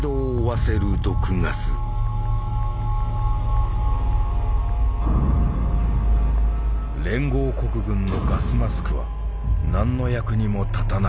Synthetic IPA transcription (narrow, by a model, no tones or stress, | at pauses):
d̪oː | βaseɾɯ̟d̪o̞kɯ̟ŋasɨ | ɾẽ̞ŋɡo̞ːko̞kɯ̟ɡɯ̟̃nːo̞ɡasɨmasɨ̥kɯ̟βa̰ | nãnːo̞jakɯ̟ɲ̟imo̞t̪at̪ana